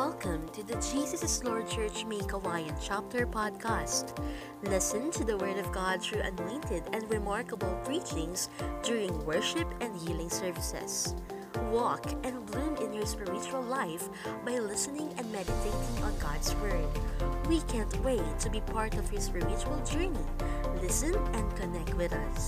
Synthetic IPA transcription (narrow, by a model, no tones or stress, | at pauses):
wɛlˠkʰə̃mt̪ʰɨðɨd͡ʒisəsslɔɹd̚t͡ʃɜ˞t͡ʃmeɪkəwajɨ̃nt͡ʃap̚t̪əɹpʰɑd̪̚kʰæst̪ | lɪsɨ̃nt̪ʰɨðəwɜ˞dʌvɡɑd̪̚θɹuʔɐ̰nɔ̃ɪ̃nt̪ɪdɛ̃nɹɪmɑɹkəbəlˠpʰɹit͡ʃɪ̃ŋsd̪ʊɹɪ̃ŋwɜɹʃɪpɛ̃nd̪hiːlˠɪ̃ŋsɛɹvɪsɛ̰s | wɔkɛ̃nblũmɪ̃njɔɹspɪɹɪt͡ʃuəlˠlaɪf | baɪlɪsɨnɪ̃ŋɛ̃ndmɛdɨt̪ʰeɪtɪ̃ŋə̃nɡɑd̪swɜɹɪd̚wikʰæ̃nt̪weɪt̪ʰubipʰɑɹt̪ɔv̥hɪspɪɹɪt͡ʃuəlˠd͡ʒɜɹni | lɪsɨ̃nɛ̃nd̚kɔnɛk̚t̪̚wɪðʌs